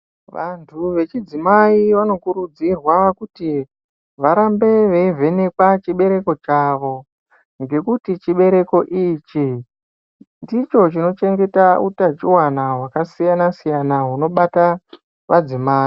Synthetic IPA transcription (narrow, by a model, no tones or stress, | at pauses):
ʋantʰuʋe̞t͡ʃid͡zimaiʋano̞kuɾud͡zirwakuti | ʋaɾambe̞ʋe̞ve̞ne̞kwat͡ʃiɓe̞ɾe̞ko̞t͡ʃaːʋo̞ | ŋɡe̞kutit͡ʃiɓe̞ɾe̞ko̞ʔit͡ʃi | ndit͡ʃo̞t͡ʃino̞t͡ʃe̞ŋɡe̞tautat͡ʃiwanaɦwakasijanasijanaɦuno̞ɓata | ʋad͡zimaːi